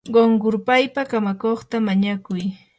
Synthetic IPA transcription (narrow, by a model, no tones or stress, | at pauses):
ɢoŋɢʊɾpajpakamakoχt̪amaɲakʊj